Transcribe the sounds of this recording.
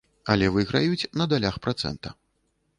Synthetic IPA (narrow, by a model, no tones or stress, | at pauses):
ɐlʲɛvɨɣɾajut͡sʲnɐd̪alʲaxpɾat̪sɛ̰nt̪ɐ̰